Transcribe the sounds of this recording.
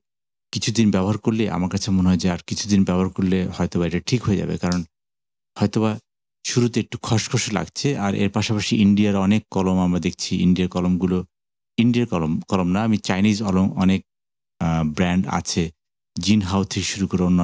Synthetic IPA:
kit͡ɕʰud̪inbɛboɦaɾkoɾleʔa̰maɾkat͡ɕʰemoneɦɔed͡ʑeaɾkit͡ɕʰud̪inbɛboɦaɾkoɾlehɔet̪obaeʈaʈʰikɦoed͡ʑa̰bḛkaɾon | hɔet̪oβa | ʃuɾut̪eek̚ʈukʰɔʃkʰɔʃela̰ɡt͡ɕʰeʔaɾʔḛɾpaʃapaʃiʔiɳɖiaɾɔnekːɔlomamɾad̪ek̚ʰt͡ɕʰiḭɳɖiaɾkɔlomɡulo | iɳɖiaɾkɔlokɔlomnaamit͡ɕajnid͡ʑɔlomɔnek̚ | bɾɛɳɖa̰t͡ɕʰe | d͡ʑinɦawt̪ʰiʃuɾukoɾeonːo

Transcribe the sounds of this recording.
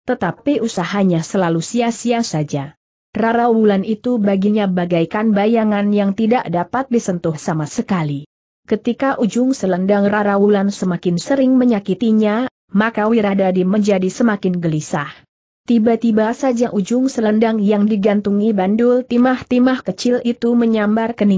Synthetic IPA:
t̪ət̪apiʔusaɦaɲasəlalusiasiasad͡ʒa | raɾawulanit̪ubaɡiɲabaɡajkanbajaŋanjaŋt̪idaʔdapat̪̚disənt̪ʊhsamasəkali | kət̪ikaʔud͡ʒʊŋsələndaŋraɾawulansəmakɪnsəɾɪŋməɲakit̪iɲa | makawiɾadadiməɲd͡ʒadisəmakɪnɡəlisah | t̪ibat̪ibasad͡ʒaʔud͡ʒʊŋsələndaŋjaŋdiɡant̪uŋibandʊlt̪imaht̪imahkət͡ʃɪlit̪uməɲambarkəni

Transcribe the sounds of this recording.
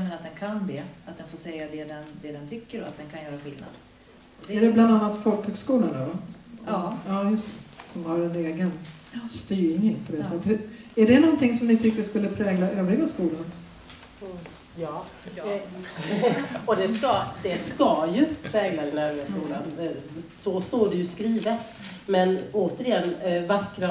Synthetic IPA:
mɛnat̪̚d̪ɛnkʰanbɛːat̪̚d̪ɛnfoːʂɛjːad̪ɛd̪ɛnd̪ɛd̪ɛnt̪ʰʏkːəɾɔat̪̚d̪ɛnkʰanjœːɾaɧɪlna̰d̪̥ | d̪ɛɖɛbland̪anːat̪fɔlkhœːɡskuːland̪ɔva | ɑːjɵst̪ɛ̥sɔmhaɾɛneːɡənst̪yːŋɪŋpʰɔd̪ɛsɛt̪ːəæɖɛnɔnt̪ɪŋsɔmnɪt̪ʰʏkːəʂkɵlːəpʰɾɛːɡlaʔøːvɾɪɡaskuːlan | ɔd̪ɛskad̪ɛskajɵpʰɾɛːɡlad̪ɛnøːvɾɪɡaskuːla̰nsɔst̪oːɖɛjɵskɾiːvət̪ | mɛnoːt̪əɾɪjɛnːvakːɾa

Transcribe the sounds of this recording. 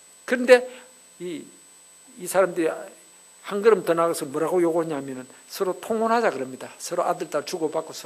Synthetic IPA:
kɯɾɯnde̞ | iː | sʰaɾamdɯɾi | haŋɡɯɾɯmtɯnaɡɯsʰɯmoɾaɡojoɡoɲaɦmjʌnɯnsʰɯɾotʰoŋonɦad͡ʑaɡɯɾɯmɲidasʰɯɾoadɯɭt͈at͡ɕuɡopak͈osʰ

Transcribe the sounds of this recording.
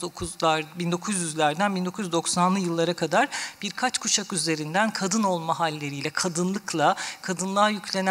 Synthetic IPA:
okʰuabind̪o̞kʰuzjyzlʲæɾd̪ænbind̪o̞kʰujyd̪o̞ksanlˠɯjɯlˠːaɾakʰad̪aɾb̥iɾkʰat͡ʃkʰut͡ʃʰakyze̞ɾind̪ænkʰad̪ɯno̞lˠmaɦalʲːe̞ɾijlʲɛkʰad̪ɯnlˠɯklˠakʰad̪ɯnlˠaːjycʰlʲe̞n

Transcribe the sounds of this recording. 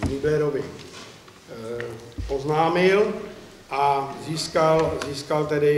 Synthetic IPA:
ɡiblɛɾovɪ | ʔoznaːmɪl | ʔaziːskalziːskalt̪ɛdɪ

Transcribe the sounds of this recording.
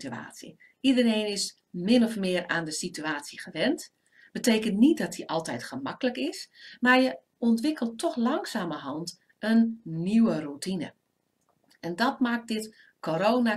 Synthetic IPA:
tya̰ːtsjḭ | ʔidəreːnɪs | mɪnɔfmɪəraːndəsityaːtsəχəʋɛnt | b̥əteːkəntnit̚dɔt̚diʔɑlˠtɛjtχəmɑkələkɪsmaːɹjə | ɔntʋɪkəlˠtʰːɔxlɑŋsaːməɦɔnt | ənːiwərutinə̰ | ɛndɔtmaːk̚dɪt | kʰoɾoːna

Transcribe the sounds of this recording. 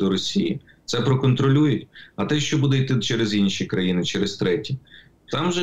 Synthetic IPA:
d̪ɔɾɔsʲijḭ | t̪sɛpɾɔkɔnt̪ɾɔlʲujʊtʲɐt̪ɛʃt͡ʃɔbud̪ɛit̪ɪt͡ʃɛɾɪzinʲʃikɾɐjinɪt͡ʃɛɾɪst̪ɾɛtʲi | t̪ɑmʒɛ

